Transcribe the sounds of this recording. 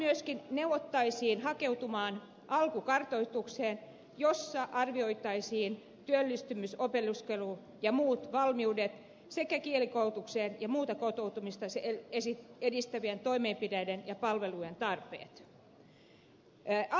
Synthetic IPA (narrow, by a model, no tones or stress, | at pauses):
yøskinnewʋot̪ːɑisiːnhɑkeut̪umɑːn | ʔɑlkukɑrt̪oit̪ukseːn | josːɑʔɑrʋioit̪ˑɑisiːn | t̪yølːist̪ymysopeluskelu | jɑmuːt̪ʋɑlmiudet̪ | sekækielikout̪ukseːnjɑmuːt̪ɑkot̪out̪umist̪ɑseesiedist̪æʋient̪oimeːmpidæidenjɑpɑlʋelujent̪ɑrpḛːt̪